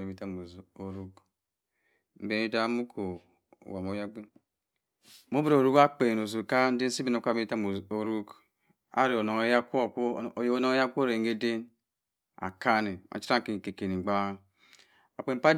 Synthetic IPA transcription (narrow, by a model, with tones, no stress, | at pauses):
e˨bi˨ta˦m˨o˨ɾu˦k | m̩˨be˨˦ni˦da˦mu˦kʰo̰˨ | wa˨mo˨˦ja˦ɡ͡be˦n | mo˦bɾo˨ɾu˦ka˦k͡pe˨no˨zo˨ka˦n̩˦de˦n˦si˦bi˦no˨ka˦˨bi˦ta˦mo˨o˨ɾu˦k | a̰˨˦ɾe˨o˨no˨ŋo˦ja˦ko˨ko˦˨je˨o˦no˨˦ŋo˦ja˦kʷːɾe˨ŋ˦e˦de˦n | a̰˨ka˦ne˨a̰˨t͡ʃi̥˦ɾa˦ŋ˨ki˨ŋ˨ke˨ke˨ni˨ɡ͡ba˦ | a˨k͡pe˨m̩˨pa˦